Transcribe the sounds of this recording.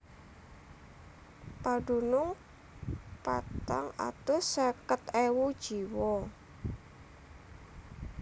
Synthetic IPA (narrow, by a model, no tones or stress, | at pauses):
paɖunʊŋ | pa̰t̪a̰ŋa̰t̪ʊsakət̪ewud̥ʒ̥iwɔ